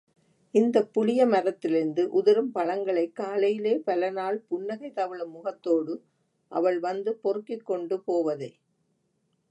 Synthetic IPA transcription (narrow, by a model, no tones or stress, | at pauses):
ɪnd̪ɐpːʊɻɪjɐmɐɾɐt̪ːɪlɪɾɯnd̪ɯʔʊðɐɾɯmpɐɭɐŋɡɐɭɐɪkːaːlɐjɪleːpɐlɐnaːɭpʊɳːɐɣɐɪt̪ɐʋɪɭɐmʊɣɐt̪ːoːɽɯ | ʔɐ̰ʋɐɭʋɐnd̪ɯpɔɾɯkːɪkːɔɳɖɯpoːʋɐðɐɪ